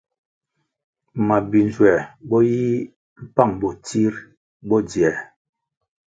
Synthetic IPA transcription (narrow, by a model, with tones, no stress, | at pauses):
ma˨bi˨n˨zwɛ˨bɔ˦ji˦ | m̩˦pa˦˨ŋbɔ˨ti˦ɾ | bɔ˦djɛ˨